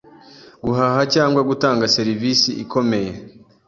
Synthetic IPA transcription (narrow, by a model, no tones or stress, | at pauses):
ɡuɦaɦacaːŋɡwaɡutaːŋɡase̞ɾivisiʔikʰo̞me̞je̞